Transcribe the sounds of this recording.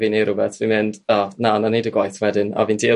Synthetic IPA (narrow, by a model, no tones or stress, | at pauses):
viːneɾʊbɛθvinmɪnd̥ɔnananejdəɡwajθwɛdɪnɔ̰viːndiː